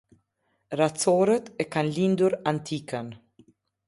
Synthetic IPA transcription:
ɾat͡sɔɾət̪ɛkanlind̪uɾant̪ʰikən

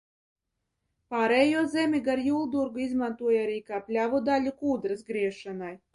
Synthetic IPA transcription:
paːɾɛːjuɔzɛmʲiɡaɾjuːlˠd̪uɾɡuizmant̪uɔjaɾiːkaːplʲavud̪alʲukuːd̪ɾɨsɡɾiɛʃanaj

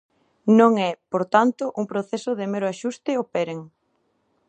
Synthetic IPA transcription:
nõŋɛpoɾt̪ant̪ʊʔuŋpɾoθesʊðɪmeɾoaʃust̪ɪopɛɾeŋ

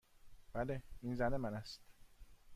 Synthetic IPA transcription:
b̥æleinzænemænæst̪

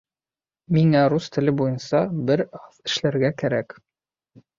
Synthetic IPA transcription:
miŋæɾust̪ɘ̆lɘbujɤnsɑbɘɾɑðɘ̆ʃlæɾɡækæɾæk

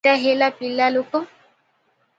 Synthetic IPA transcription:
aɦelapilːalokɔ

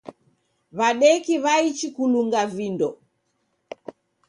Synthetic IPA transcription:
βaɗɛkiβait͡ʃikuluŋɡavindɔ

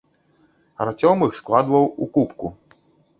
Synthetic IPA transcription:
ɐ̰ɾat͡sʲɔmɨxsklˠad̪vɐwukupku

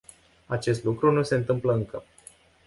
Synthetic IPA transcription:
at͡ʃe̞st̪lukɾunuse̞ɨnt̪ɨmpləɨŋkə

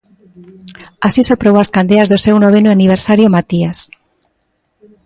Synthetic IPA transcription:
asisopɾowaskand̪eazðosewnoβ̞enuaniβ̞eɾsaɾjomat̪ias

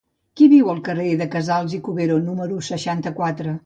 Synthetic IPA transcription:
kiβiwəlˠkəreðəkəzalˠzikuβeɾonuməɾusəʃant̪əkwat̪ɾə

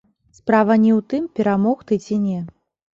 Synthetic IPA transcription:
spɾavɐnʲɛwt̪ɨmpʲɛɾamɔxt̪ɨt͡sʲinʲɛ

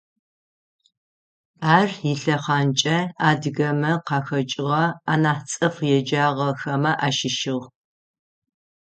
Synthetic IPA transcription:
aːriɬɐχɑːnt͡ʃʼɐaːdɨɣɐmɐqɑːxɐt͡ʃʼɪʁɐaːnaːt͡sʼɐfjɛd͡ʒaːʁɐxɐmɐʔaːʃɪʃɪʁ

